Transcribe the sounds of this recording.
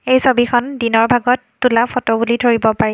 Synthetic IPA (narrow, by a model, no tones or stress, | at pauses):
ejsobikʰɔndinɔɹbʱaɡɔtːulapʰɔtɔbulidʱoɹibɔpaɹɛ